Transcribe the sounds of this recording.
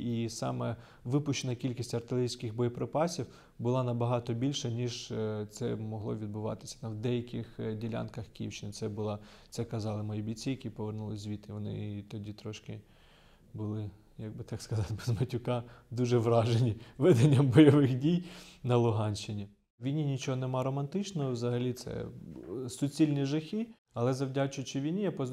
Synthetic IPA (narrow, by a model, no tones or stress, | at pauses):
isɑ̰mɛ | ʋɪpʊʃt͡ʃːenɐkʲilʲkʲisʲtʲɐrt̪ɪlʲˠeɪɾʲijsʲkɪxbɔjɔpɾepɑsʲiw | bʊlˠɑnɐbɐɦɑt̪ɔbʲilʲʃɛnʲiʒt̪sɛmɔɦlˠɔ̰ʋʲid̪̚bʊʋɑ̰t̪ɪ̥sʲɐ̥t̪ɐwd̪ɛjɐkʲɪxdʲilʲa̰nkɐxkʲḭwʃt͡ʃɪnɪt̪sɛbʊlˠɑt̪sɛkɐzɑlˠɪmɔjibʲit͡sʲijɐkʲipɔʋernulˠɪzʲʋʲit̪ɪʋɔnɪ̰t̪ɔdʲit̪ɾɔʃkɪ | bʊlˠɪ | jɡ̚bɪt̪ɑkskɐzɑt̪bezmɐtʲʊkɑd̪uʒɛʋɾɑʒenʲiʋɛd̪enʲːɐmbɔjɔʋɪxdʲijnɐlˠʊɦɑnʲʃɪnʲi | ʋʲijnʲinʲit͡ʃɔɦɔnemɑɾɔmɐnt̪ɪt͡ʃnɔɦɔwzɐɦɐlʲit̪sɛ̰ | sʊt͡sʲilʲnʲiʒɐxʲi | ɐlˠɛzɐwdʲat͡ʃʊt͡ʃɪʋʲijnʲijapɔz